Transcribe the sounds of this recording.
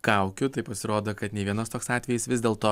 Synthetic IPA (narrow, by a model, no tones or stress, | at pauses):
kɑˑʊkʲʊt̪ɐɪpɐsʲɪɾoːd̪oːkɐt̪nʲɛːʋʲiɛnoːst̪oːksɑːt̪ʲʋʲɛjisʋʲɪzd̪ʲeːlˠt̪oː